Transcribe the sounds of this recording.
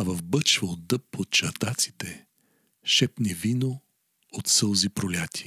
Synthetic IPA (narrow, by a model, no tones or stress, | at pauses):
avɐvbət͡ʃvəod̪əpːot̪̚t͡ʃɐɾt̪at̪si̥t̪ɛ | ʃɛpnɛvino | ot̪səlˠzipɾolʲat̪ʲi̥